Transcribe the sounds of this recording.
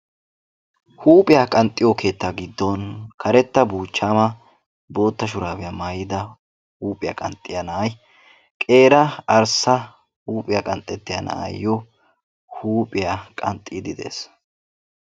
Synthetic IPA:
huːpʼɪjakʼɐnt̪ʼːɪjɔkʰe̞ːt̪ːaɡɪd̪ːɔnkʰɐɾɛt̪ːɐbuːt͡ʃːaːmɐ | bo̞ːt̪ːɐʃ̬ʊɾaːbɪjɐmaːjɪd̪ɐ | huːpʼɪjɐ̰kʼɐnt̪ʼːɪjɐnɐːj | kʼe̞ːɾɐɐɾsɐ | huːpʼɪjakʼɐnt̪ʼːɛt̪ːɪjɐnɐ̰ʔa̰jːɔ | huːpʼɪjakʼɐ̰nt̪ʼːiːd̪ɪd̪e̞̰ːs

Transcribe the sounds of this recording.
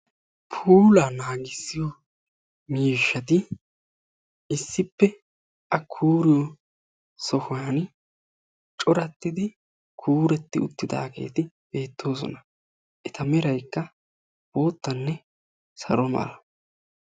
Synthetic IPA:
pʰuːlanaːɡɪsːɪjɔ | miːʃːɐt̪ɪ | ɪsːɪpːɛ | ʔɐkʰːuːɾɪjɔ | sɔhʊwaːn | t͡ʃʼɔɾɐt̪ːɪd̪ɪ | kʰuːɾɛt̪ːɪʊ̰t̪ːɪd̪a̰ːɡe̞̰ːt̪ɪ | b̥e̞ːt̪ʰːo̞ːs̬ɔ̰nɐ | ʔɛt̪ɐmɛɾɐjkːɐ | b̥o̞ːt̪ːɐnːɛ | sɐ̰ɾɔmɐ̰lɐ

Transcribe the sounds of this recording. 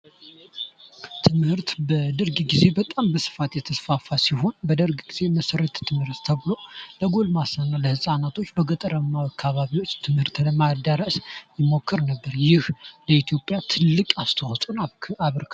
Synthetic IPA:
t̪ʰɨmhɨɾt̪bəd̪ɨɾɡɡize̞bət̪ʼambəsɨ̥fat̪jɛt̪ʰəsfafasiɦo̞nbəd̪əɾɡɡ̥iz̥e̞məsəɾət̪ʰt̪ʰːɨmhɨɾt̪t̪ʰəβlo̞ləɡo̞lmasənːaləhɨsʼanat̪ʰo̞t͡ʃːbəɡət̪ʼəɾəmːaakʰːaβaβiwo̞t͡ʃːt̪ʰɨmhɨɾt̪ləmad̪əɾəsjɪmo̞kʰːɨɾnəbːəɾjɪhləit̪ʰjo̞pʼːjat̪ʰɨlːɨkʼast̪ʰəwat̪ʼunaaβɾkʰ

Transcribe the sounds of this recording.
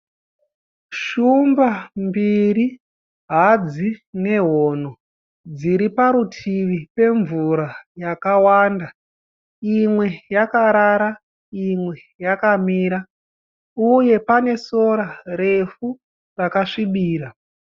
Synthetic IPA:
ʃumbambiɾi | ɦad͡zine̞ɦoːn̤o | d͡ziɾipaɾutʰiʋipe̞ɱvuɾajakawaːnda | imwe̞jakaɾaɾa | imwe̞ | jakamiːɾa | uje̞pane̞so̞ɾare̞fu | rakaʂiɓiːɾa

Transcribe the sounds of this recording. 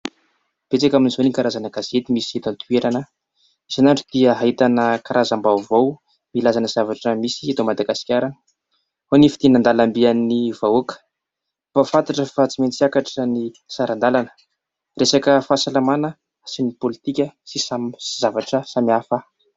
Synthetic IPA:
b̥et͡sakaminizonikaɾazanəɡazet̪imisiet̪ant̪ʰueɾanə | iz̥anaɳɖ͡ʐud̪̥iəɦait̪anəkaɾʔazambavow | milazanəz̥avaʈ͡ʂəmisit̪omad̪aɡasi̥kʲaɾan | honifi̥t̪inand̪alambianːivaokə̥ | bafant̪aʈ͡ʂəfat͡siment͡siakaʈ͡ʂənisaɾand̪alanə̥ | resakəfaːsalamanə | sinipolit̪ikʲəsisamz̥avaʈ͡ʂəsamiafa

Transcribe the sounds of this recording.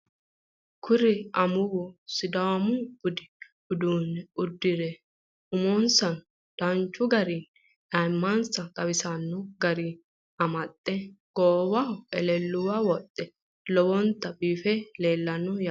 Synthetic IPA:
kʰʊɾɪɐmʊwɔsɪd̪ɐwɐmʊb̥ʊd̪ɪ | ʊd̪uːnɛʊd̪ːɪɾɛ | ʊmonsɐn | d̪̥ɐnt͡ʃːʊɡɐɾi | nɐjmːɐnsɐkʼɐbɪsɐnːɔɡɐɾi | ɐmɐt̪ʼːɛɡ̥oːbɐʊʔɛlɛlːʊwawɔt̪ʼːɛ | lɔbɔnt̪ːɐbiːfɛleːlːɐnːɔj

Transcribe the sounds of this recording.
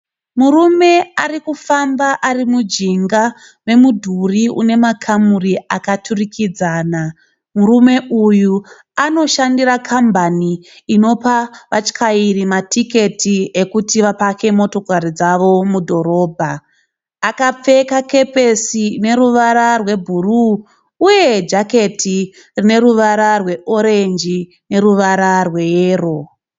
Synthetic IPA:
murume̞arikufambaʔarimud͡ʒiŋɡa | we̞mudʱuriṵne̞makʰamuriakatʰurikʰid͡zaːna | murume̞uju | ano̞ʃandirakʰambaniː | no̞paʋat͡ʃkʰairimatʰike̞tʰiekutiʋapake̞mo̞to̞kaɾid͡zaʋo̞mudʱo̞ɾo̞ːbʱaː | kap͡fe̞kake̞pesine̞ɾuʋaɾarwe̞bʱuruː | je̞d͡ʒake̞tʰi | rine̞ɾuʋaɾarwe̞ʔo̞ɾe̞nd͡ʒi | ne̞ɾuʋaɾarwe̞jeːro̞

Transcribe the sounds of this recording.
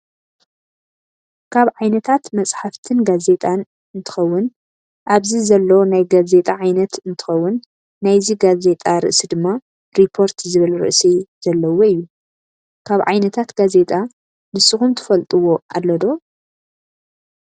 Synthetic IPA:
kʰaβʕajnɐt̪ʰat̪mɐt͡sʼħaft̪ʰɨnɡaze̞t̪ʼan | ɨnt̪ʰɨ̥xɐwːʊn | ʔaβzizɐlːɐnajɡaze̞t̪ʼaʕajnɐt̪ɨnt̪ʰɨ̥xɐwːʊnː | ajziɡaze̞t̪ʼaɾɨ̰ʔsid̪ɨmːa | ɾipʰːo̞ɾt̪zɨβɨlɾɨ̰ʔsizɐlːɐwo̞ɨjːu | kʰaβʕajnɐt̪ʰat̪ɡaze̞t̪ʼa | nɨsɨxumt̪ʰɨ̥fɐlt̪ʼɨwo̞ʔalːɐd̪o̞

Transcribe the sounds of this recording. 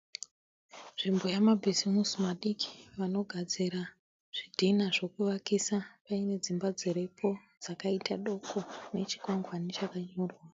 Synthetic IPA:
ʐ̥imbo̞jamabʱizimusumaɗiki̥ʋano̞ɡʱad͡ziɾa | ʐ̥idʱinaʐo̞kuʋakisapaine̞d͡zimbad͡zeɾe̞pʰo̞ | d͡zakaitʰaɗo̞kʰo̞ne̞t͡ʃi̥kwaŋɡwanit͡ʃakaɲoːrwa

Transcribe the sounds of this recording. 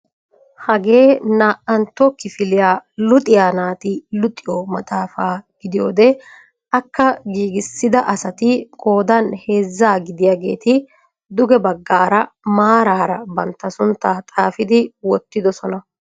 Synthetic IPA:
hɐɡe̞ːnaːʔɐnt̪ːɔkɪfɪlɪjaːlʊt̪ʼɪjaːnaːt̪ɪlʊt̪ʼːɪjoːmɐt̪ʼaːfaːɡ̥ɪd̪ɪjoːd̪ɛ | ʔɐkːɐɡiːɡɪsːɪd̪ɐʔɐsɐt̪ɪkʼo̞ːd̪ɐnheːzːaːɡɪd̪ɪjaːɡe̞̰ːt̪ɪ | d̪ʊɡɛbɐɡːaːɾɐmaːɾaːɾɐbɐnt̪ːɐsʊnt̪ːaːt̪ʼaːfɪd̪ɪwɔt̪ːɪd̪ɔsɔnɐ

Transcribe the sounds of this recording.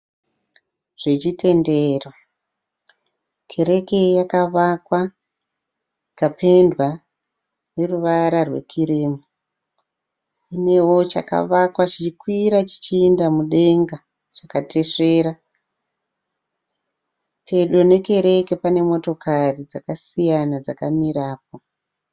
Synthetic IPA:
ʐ̥et͡ʃitʰe̞ndeːrwa | kʰe̞ɾe̞ke̞jakaʋakwa | kapʰe̞ndwa | ne̞ruʋaɾarwe̞̰kʰiɾiːmu | ine̞wo̞t͡ʃa̰ka̰ʋakwat͡ʃit͡ʃikwiɾat͡ʃi̥t͡ʃiːndamuɗe̞ŋɡa | t͡ʃakate̞ʂe̞ːɾa | pʰe̞ɗo̞ne̞ke̞ɾe̞ke̞pane̞mo̞to̞karid͡zakasijanad͡zakamiraːp̚o̞

